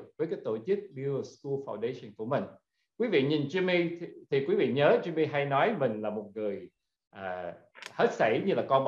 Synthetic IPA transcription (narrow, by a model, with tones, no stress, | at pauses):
vəː˨˦jkaː˨˦jt̪o˧˩t͡ɕɨ˦˥k̚ɓu˧o˧˦sku˧faː˧wnɗe˧sə˧˩nku˧˩əmï˨˩ŋ̟ | kwi˨˦vḭ˧˨ɲi˨˩nzi˧mi˧t̪ʰi˨˩kwi˨˦vḭ˧˨ɲəː˨˦zi˧mi˧ɦa˧jnɔ˨˦jmï˨˩ŋ̟laː˨˩mo˨˩t̚ŋɨ˨˩əj | ʔaː˨˩he˦˥t̚sə˧˩jɲɨ˧laː˨˩kɔ˧nɓ